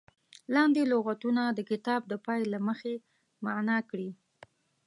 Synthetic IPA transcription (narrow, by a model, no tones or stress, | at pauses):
lɑnd̪eloɣat̪unad̪əkɪt̪ɑb̚d̪əpɑjlaməxe | manakɽi